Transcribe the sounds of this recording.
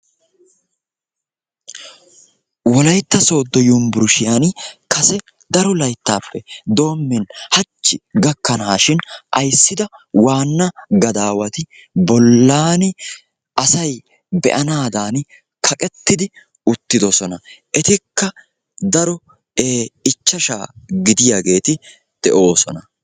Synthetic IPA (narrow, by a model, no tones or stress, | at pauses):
wɔlɐjt̪ːɐso̞ːd̪ːɔjʊmbʊɾʊʃɪjankɐsɛ | d̪ɐɾɔlɐjt̪ːaːpːɛd̪o̞ːmːɪnhɐt͡ʃːɪɡɐkːɐnaːʃɪnʔɐ̰jsːɪd̪ɐwaːnːɐɡɐd̪aːwɐt̪ɪ | bɔlːaːnɪ | ʔɐsɐj | bɛ̰ʔɐnaːd̪aːn | kʰɐkʼɛt̪ːɪd̪ɪ | ʊt̪ːɪd̪ɔsɔnɐʔɛt̪ɪkːɐ | d̪ɐɾɔ | eːɪt͡ʃːɐʃa̰ːɡɪd̪ɪjaːɡe̞ːt̪ɪ | d̪̥ɛʔo̞ːsɔ̰nɐ